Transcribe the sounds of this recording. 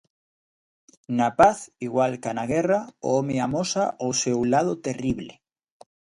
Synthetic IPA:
napaθiɣwalkanaɣ̞erao̰omeamosaʔosewlað̞ot̪eriβle

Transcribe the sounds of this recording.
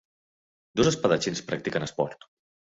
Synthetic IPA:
d̪ozəspəðət͡ʃinspɾak̚t̪ikənəspɔɾt̪

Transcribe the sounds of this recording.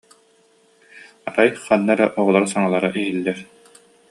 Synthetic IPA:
aɾajχanːaɾɛʔɔʁɔlˠaɾsaŋalˠaɾaʔiɦilːɛɾ

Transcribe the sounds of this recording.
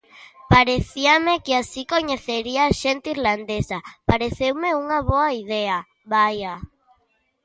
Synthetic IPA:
paɾeθiamekɪasikoɲeθeɾiaːʃent̪eiɾland̪esapaɾeθewmeuŋaβoaiðea | βaja

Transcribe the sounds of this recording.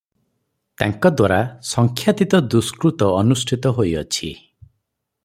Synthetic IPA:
t̪a̰ŋkɔd̪waɾasɔŋkʰjat̪it̪ɔd̪uskɾut̪ɔːnusʈʰit̪ɔɦojɔ̰t͡ʃʰi

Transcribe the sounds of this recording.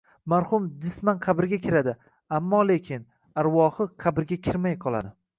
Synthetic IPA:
maɾhʊmd̪ɪsmanqʰɑbɪɾɡʲakʲʰɪɾad̪ɪ | amːɒle̞kʲʰɪn | aɾwɒhɨqʰɑbɪɾɡʲakʲʰɪɾmajqʰɒlˠa̰d̪ɪ

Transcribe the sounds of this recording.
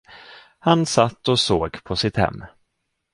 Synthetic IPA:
hansat̪ːɔsoːɡpʰɔsɪt̪hɛ̰mː

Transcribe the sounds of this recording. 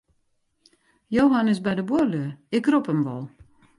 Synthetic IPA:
joːɦanɪsbɛjdəbuløəɪkropəmʋɔ̰lˠ

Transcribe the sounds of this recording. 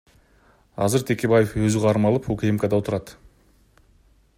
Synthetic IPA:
ɑ̰zəɾt̪ʰekʲe̞bajefwɵzɪʁɑɾmɑlˠəpokʲʰejemkʲad̪ɑwot̪ʰəɾɑd̪

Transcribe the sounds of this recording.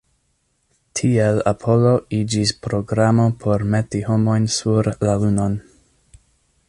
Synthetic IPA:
tʰiela̰pʰo̞lo̞id͡ʒispɾo̞ɡɾamo̞pʰo̞ɾmetiho̞mo̞jnsuɾlaluno̞n

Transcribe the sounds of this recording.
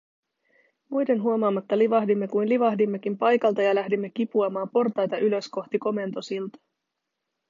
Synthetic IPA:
mujde̞nɦuo̞mɑːmːɑt̪ːɑliʋɑɦdimːe̞kujnliʋɑɦdimːe̞k̟impɑjkɑlt̪ɑjɑlæɦdimːe̞k̟ipuɑmɑːmpo̞rt̪ɑjt̪ɑʔylø̞sko̞xt̪iko̞me̞nt̪o̞silt̪ɑ̥

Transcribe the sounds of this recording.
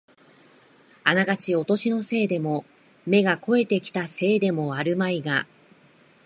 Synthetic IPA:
anaɡat͡ɕio̞t̪o̞ɕino̞se̞ːd̪e̞mo̞ | me̞ɡako̞e̞t̪e̞kʲi̥t̪ase̞ːd̪e̞mo̞aɾɯ̟maiɡa

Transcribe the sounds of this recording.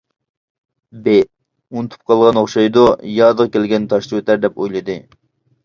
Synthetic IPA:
be | unɨt̪ʰu̥p̚qʰɑlˠʁɑnoχʃɑjd̪ujɑːd̪əʁkʲelɡʲɛnt̪ʰɑʃt̪ˠwet̪æɾd̪ɛpojlˠɨd̪ɨ

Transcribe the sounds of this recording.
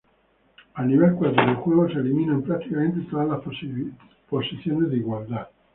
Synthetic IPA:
alːivɛlkwad̪ɾod̪elkwɔːɡosieliminanpɾat̪ːikament̪et̪ɾala | posit̪sːjoːned̪iːɡwalt̪a

